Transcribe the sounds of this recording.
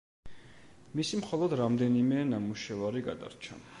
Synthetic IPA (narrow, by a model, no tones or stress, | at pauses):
misimχɔlˠɔd̪ɾamd̪ɛnimɛnamuʃɛvaɾiɡad̪a̰ɾt͡ʃʰa̰